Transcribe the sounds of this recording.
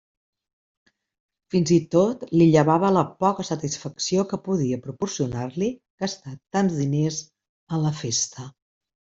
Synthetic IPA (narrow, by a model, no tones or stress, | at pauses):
finzit̪ot̪liʎəβaβələpɔkəsət̪isfəksiokəpuðiəpɾupuɾsiunaɾlikəst̪at̪ːanzðinez | ələfest̪ə